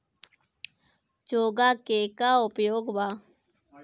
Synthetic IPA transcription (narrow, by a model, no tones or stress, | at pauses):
t͡ʃoːɡaːkeːkaʊpjoːɡbaː